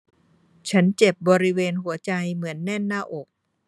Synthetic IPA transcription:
t͡ɕʰa˦˥nt͡ɕe˨˩p̚bɔː˧ɾi˦˥weː˧nhu˩˦ɐt͡ɕa˧jmɯ˩˦ənːɛ˥˩nːaː˥˩ʔo˨˩k̚

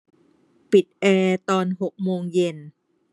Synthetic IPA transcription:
pi˨˩t̪̚ʔɛː˧t̪ɔː˧nɦo˨˩k̚moː˧ŋje˧n

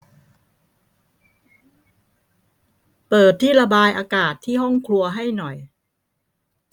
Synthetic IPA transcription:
pɤː˨˩t̪ʰːiː˥˩la˧baː˧jʔaː˧kaː˨˩t̪ʰːiː˥˩ɦɔ˥˩ŋkʰlu˧ɐɦa˥˩jnɔ˨˩j

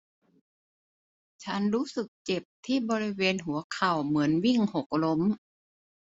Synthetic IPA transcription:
t͡ɕʰa˦˥nɾuː˦˥sɯ˨˩k̚t͡ɕe˨˩p̚t̪ʰiː˥˩bɔː˧ɾi˦˥weː˧nɦu˨˩˦ɐkʰa˨˩wmɯ˩˦ənwi˥˩ŋho˨˩k̚lo˦˥m

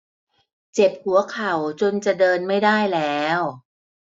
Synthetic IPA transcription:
t͡ɕe˨˩p̚hu˨˩˦ɐkʰa˨˩wt͡ɕo˧nt͡ɕa˨˩dɤː˧nma˥˩jdaː˥˩jlɛː˦˥w

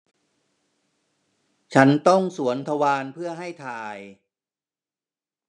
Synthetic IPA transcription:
t͡ɕʰa˦˥nt̪ɔ˥˩ŋsu˩˦ənt̪ʰa˧waː˧npʰɯ˥˩ɐəɦa˥˩jt̪ʰaː˧j

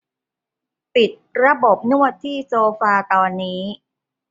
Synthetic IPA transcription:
pi˨˩t̪̚ɾa˧bo˨˩p̚nu˥˩ɐt̪ʰːiː˥˩soː˧faː˧t̪ɔː˧nːiː˦˥

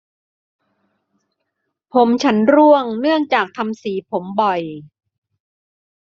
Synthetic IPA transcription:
pʰo˩˦mt͡ɕʰa˦˥nɾu˥˩əŋnɯ˥˩əŋt͡ɕaː˨˩k̚t̪ʰa˧msiː˩˦pʰo˩˦mbɔ˨˩j

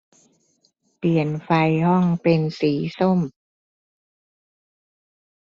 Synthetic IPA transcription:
pli˨˩ənfa˧jhɔ˥˩ŋpe˧nsiː˩˦so˥˩˨m

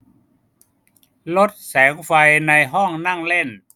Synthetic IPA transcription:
lo˦˥t̪̚sɛː˩˦ŋfa˧jna˧jɦɔ˥˩ŋna˥˩ŋle˥˩n

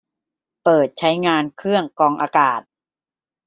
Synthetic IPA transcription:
pɤː˨˩t̪̚t͡ɕʰa˦˥jŋaː˧nkʰɾɯ˥˩əŋkɔː˧ŋʔaː˧kaː˨˩t̪̚

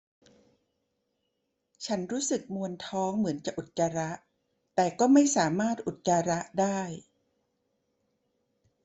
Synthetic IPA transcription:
t͡ɕʰa˦˥nɾuː˦˥sɯ˨˩k̚mu˧ənt̪ʰɔː˦˥ŋmɯ˩˦nt͡ɕa˨˩ʔu˨˩t̪̚t͡ɕa˧ɾa˦˥ʔ | t̪ɛː˨˩kɔː˥˩ma˥˩jsaː˩˦maː˥˩t̪̚ʔu˨˩t̪̚t͡ɕa˧ɾa˦˥ʔdaː˥˩j

